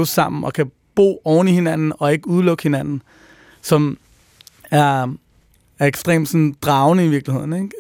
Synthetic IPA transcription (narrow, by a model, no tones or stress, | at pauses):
ʊsɑ̈m̰n̩ɒ̽kʰæ | b̥o̝̰ːɒʊnihe̝næn̰n̩ɒ̽e̝ɡ̥əuð̞ˠlɔ̽ɡ̥he̝næn̰n̩ | sɒ̽m | æɐ | æɐeɡ̥sd̥ʁḛːmd̥sɔn̩d̥ʁɑ̈ʊnəiʋiɐɡ̥lihe̝ð̞̰ˠn̩eɡ̥